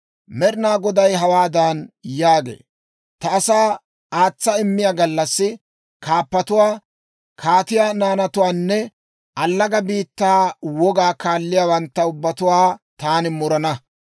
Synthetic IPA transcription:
mɛɾɪnaːɡɔd̪ɐjɦɐwaːd̪anjaːɡḛː | t̪ɐːsaː | aːt͡sːɐɪmːɪjaɡɐlːɐsːɪ | kʰaːpːɐt̪ʊwaː | kʰaːt̪ɪjaːnaːnɐt̪ʊwaːnːɛ | ʔɐlːɐɡɐbiːt̪ːaːwɔɡaːkaːlːɪjaːwɐnt̪ːɐʊbːɐt̪ʊwaːt̪aːnɪmʊɾɐnɐ

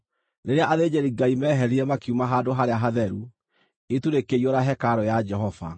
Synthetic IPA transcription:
neɾeaʔaðed͡ʑeɾiɡaimɛɦɛɾiɾɛmakiumaɦaːdoɦaɾeaɦaðɛɾu | etuɾekeioɾaɦɛkaɾɔjad͡ʒɛɦɔva̰

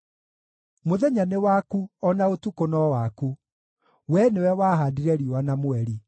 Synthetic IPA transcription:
moðɛɲanewakuɔnaotukonɔwaku | wɛnewɛwaːɦadiɾɛɾiowanamwɛɾi

